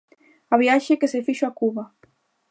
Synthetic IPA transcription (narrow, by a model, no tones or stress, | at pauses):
aβjaʃekesefiʃoakuβa